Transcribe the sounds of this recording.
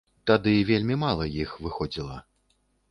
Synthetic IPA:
t̪ad̪ɨvʲelʲmʲimalˠɐjixvɨxɔd͡zʲilˠɐ

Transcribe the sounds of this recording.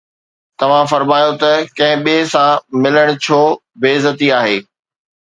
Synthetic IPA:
t̪ɐʋ̤ãfɐɾmaːjot̪ɐkɐ̃ɦɪ̃ɓiɦsãmɪləɽ̃t͡ɕʰoː | beːzət̪iaːɦeː

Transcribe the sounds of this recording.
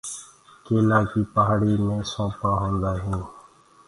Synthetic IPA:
keːlãːkiːpəɦaɽiːmẽːsõːpãːɦõːnd̪aːɦũː

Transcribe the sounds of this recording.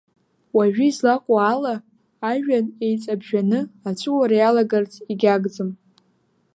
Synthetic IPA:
waʒᶣiizlaqʷʼaaːlaː | ʒᶣane̞jt͡sʼabʒᶣanɨat͡ʃʷʰʼɨwaɾajalaɡart͡sʰʼiɡʲaɡd͡zɨm

